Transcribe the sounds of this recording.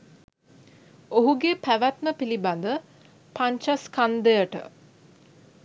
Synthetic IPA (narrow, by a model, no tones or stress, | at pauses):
oɦuɡepæʋæt̪məpiliband̪ə | paɲt͡ʃaskand̪ejəʈə̰